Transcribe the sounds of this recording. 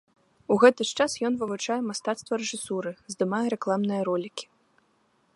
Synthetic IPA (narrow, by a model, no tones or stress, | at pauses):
uɣɛt̪ɨʂt͡ʂasjɔnvɨvut͡ʂajɛmast̪at̪st̪vɐɾɛʐɨsuɾɨzd̪ɨmajɛɾɛklˠamnɨjɐɾɔlʲikʲi̥